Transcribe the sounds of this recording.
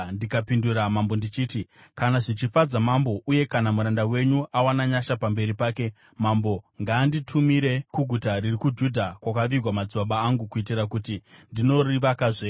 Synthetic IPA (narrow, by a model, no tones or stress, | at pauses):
ndikapinduɾamambo̞ndit͡ʃiːtikanaʐit͡ʃifad͡zamambo̞ʔuje̞kanamuɾandawe̞ɲuʔawanaɲaʃapambe̞ɾipaːke̞ | mambo̞ŋɡaːnditʰumiɾe̞kuɡʱutaɾirikud͡ʒudʱakwakaʋiɡʱwamad͡ziwaɓaːŋɡukuit̬irakutindino̞riʋakaʐe